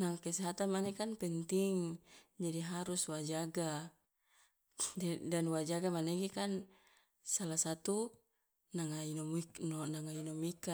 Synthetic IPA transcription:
naŋkeseɦat̪amanekanpɛnt̪iŋd͡ʒadiɦaɾuswad͡ʒaɡa | ddanwad͡ʒaɡamaneɡikan | salasat̪u | naŋainminnaŋainomika

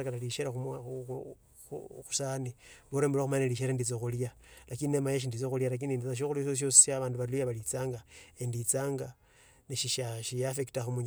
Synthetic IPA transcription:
akalaliʃeɾaxum | xu̥saniβoɾembuloxumaneliʃeɾandit͡sexuljalakininemajeʃ̬indit͡soxuljalak̬inindit͡saʃ̬oxulioʃos̬josi̥aβaːnduβalujaβalit͡saːŋɡaendit͡saːŋɡa | niʃiʃaʃijafeki̥taxumuɲ

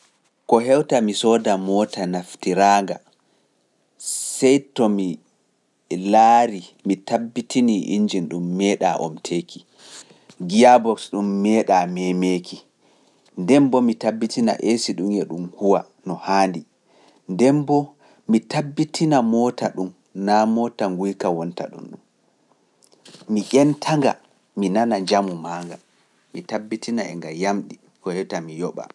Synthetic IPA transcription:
kɔɦɛwtamisɔːdamɔtanaftiɾaːŋɡa | sɛjtɔmi | laːɾimitabːitiniʔḭɲd͡ʒinɗumːɛːɗa̰ʔɔ̰mtʰeki̥ | ɡijabɔksɗumːɛːɗamɛmekʰi | ndɛmbɔmitabːitina̰ʔesiɗumɛɗumhuwa | nɔhaːndi | ndɛmbɔ | mitabːitʰinamɔːtaɗum | namɔtaŋɡujkawɔnta̰ɗṵnɗum | miʔʲɛntʰaŋɡa̰ | minanad͡ʒamumaːŋɡa | mitabːitʰinaɛ̰ŋɡajamɗi | kɔhɛtamijɔɓa̰

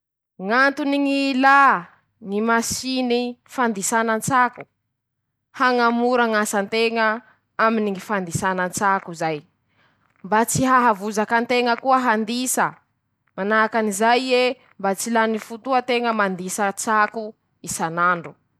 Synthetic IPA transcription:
ŋant̪uniŋila | ŋimasinifand̪isanənt͡saku | haŋamuɾaŋasant̪eŋə | aminiŋifand̪isanənt͡sakuzaj | mbat͡siɦaɦavuzakant̪eŋəkuəɦand̪isə | manakanizaje | mbat͡silanifut̪uət̪eŋəmand̪isət͡saku | isanaɳɖ͡ʐu

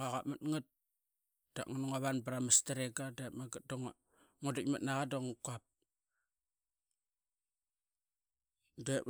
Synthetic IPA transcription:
aɣamatŋat̚ | d̥a̰ʔŋanoŋaβanbaɾamastaɾeɡadamaɡat̚doŋ | ŋodakmat̚naɣadoŋkuap̚ | de

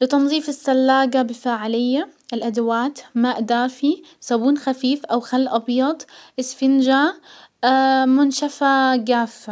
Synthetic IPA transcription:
lɪt̪ɑnðˤiːfɪsːalːaːɡabɪfaːʕɪlɪjːaʔɪlʔad̪awaːt̪maːʔd̪aːfi | sabuːnxafiːfʔawxalːʔɑbjɑd̪ˤʔɪsfɪnd͡ʒa | mʊnʃafaɡaːfːa

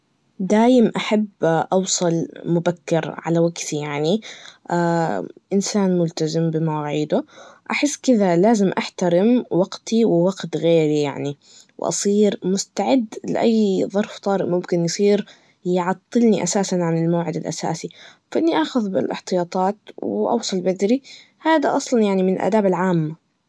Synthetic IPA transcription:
d̪aːjɪmʔaħabʔɑwsˤɑlmʊbakːɪɾʕa̰lawaɡt̪ijaʕniʔaːʔɪnsaːnmʊlt̪azɪmbɪmawaʕiːd̪ʊʔaħɪsːkɪðalaːzɪmʔaħt̪aɾɪmwɑɡt̪iwɪwɑɡt̪ɣeːɾija̰ʕni | w̰ʔɑ̰sˤiːɾmʊst̪aʕɪd̪ːlɪ̰ʔajːðˤɑɾˤft̪ˤɑːɾɪʔmʊmkɪnjsˤiːɾ | jʕɑt̪ˤːɨlniʔasaːsanʕanɪlmawʕɪd̪ɪlʔa̰sa̰ːsifaʔɪnːiʔaːxʊðbɪ̰lʔɪ̰ħt̪ɨjɑːt̪ˤɑːt̪wʔɑ̰wsˤɑlbad̪ɾi | haːd̪aʔɑsˤlɑnjaʕnimɪnɪlʔa̰d̪aːbɪlʕaːmːa

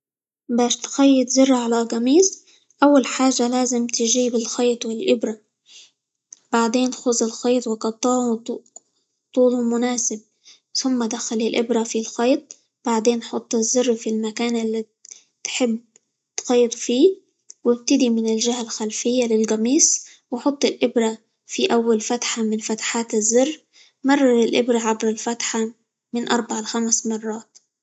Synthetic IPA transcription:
baːʃt̪xɑjːɪt̪zʊrˤːaʕalalɣamiːs | ʔawːalħaːʒːalaːzɪmt̪ɪʒiːbɪlxɑːt̪ˤwɪlʔɪbɾa | b̥aʕd̪eːnxʊzˤɪlxɑːt̪ˤwɪqɑt̪ˤːɑʕu | t̪ˤuːlumʊnaːsɪb̚ | θʊmːad̪axalɪlʔɪbɾafilxɑjt̪̚ˤ | b̥aʕd̪eːnħʊt̪ˤːɪzːɪrːfilmakaːnʔɪlːi | t̪ħɪbː | t̪xɑjːt̪ˤfiː | wɪb̚t̪ɪd̪imɪnɪlʒahalxalfɪjːalɪlɡɑmiːs | wɪħʊt̪ˤːɪlʔɪbɾa | fiʔawːalfat̪ħamɪnfat̪ḁħaːt̪ɪzːɪrː | mɑrˤːɑɾˤɪlʔɪbɾaʕabɾɪlfat̪ħa | mɪnʔɑɾˤbaʕalxamsmɑrˤːɑːt̪

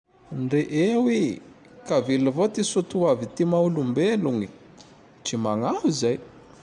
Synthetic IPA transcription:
ɳɖ͡ʐeʔewi | kavilivot̪isut̪uavit̪imaulumbeluŋi | t͡ʃimaŋafizaj

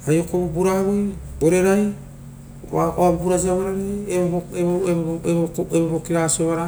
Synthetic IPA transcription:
ajokobubuɾaβujoɾeɾaj | aoabbuɾad͡ʒiaβaɾaɾieboeβoeeoebbokiɾasoβaɾa

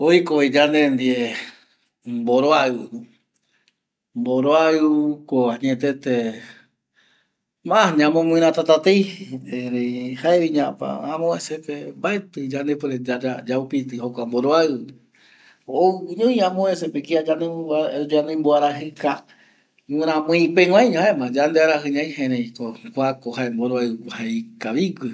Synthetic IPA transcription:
oikoed͡ʒand̪end̪ie | mboɾoaɨ | mboɾoaɨkoaɲet̪et̪e | mãhɲãmõmɨ̃ɾ̃ãt̪at̪at̪ejeɾehaeβiɲãpa̰ãmõesepembaet̪ɨd͡ʒand̪ep̬eɾed͡ʒaad͡ʒaupit̪̬ɨhokʷamboɾoaɨ | oɲõj̃ãmõesepekiaanẽd͡ʒanẽmboaɾaɦɨka | mɨ̃ɾ̃ãmũĩpeŋʷãjɲõemãd͡ʒand̪eaɾaɦɨɲãj̃hẽɾej̃kokʷakoɦaemboɾoahaekaβiɡʷɨ

